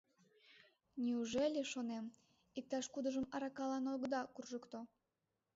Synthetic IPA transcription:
nʲiuʒelʲeʃonem | ik̚t̪ɑʃkud̪əʒəmɑɾɑkɑlɑnoɡd̪ɑkurʒəkt̪o

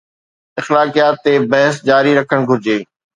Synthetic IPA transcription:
ɪxlaːkijaːt̪ːebɐɦəs̬d͡ʑaːɾiɾɐkʰəɽ̃ɡʱʊɾɪd͡ʑeː

